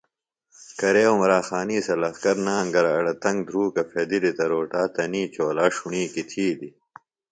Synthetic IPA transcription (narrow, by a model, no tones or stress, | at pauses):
kɐɾeːumɾaːxaːniːsɐlɐxkɐɾnaːɐŋɡɐɾaːɽɐt̪ɐŋɡ̚d̪ʱɾuːkɐfeːd̪ilit̪ɐɾoːʈaːt̪ɐniːt͡ɕoːlaːʂuɳiːkit̪ʰiːd̪i